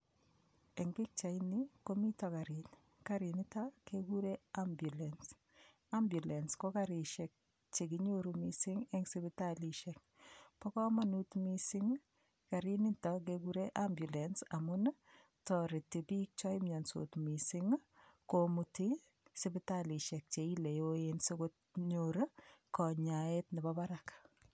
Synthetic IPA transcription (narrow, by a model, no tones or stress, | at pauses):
ɛŋbik̚t͡ʃainikomitakaɾin | kaɾinitakeɡuɾeambjulɛns | ambjulɛnskɔkaɾiʃɛk̚ | t͡ʃeɡiɲoɾumisɪŋɛŋsibitaliʃɛk̚pɔkɔmanutmisiŋ | kaɾinɪntɔkeɡuɾeʔambjulɛnsamʊn | tɔɾɪtibik̚t͡ʃɔɪmɲanso̰tmisɪŋkomuti | sɪbɪtaliʃɛk̚t͡ʃeilejoensʊkʊt̚ | ɲoɾkɔɲaetnɪbabaɾak